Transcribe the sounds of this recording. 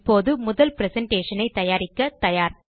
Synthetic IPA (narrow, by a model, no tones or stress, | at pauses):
pːoːðɯmʊðɐlpɪɾɛsɐɳʈeːʂɐnɐɪt̪ːɐjaːɾɪkːɐt̪ɐjaːɾ